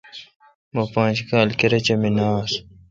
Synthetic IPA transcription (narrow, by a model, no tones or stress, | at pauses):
mɐpãːd͡ʑkaːlkeɾɐt͡ɕɐminaːs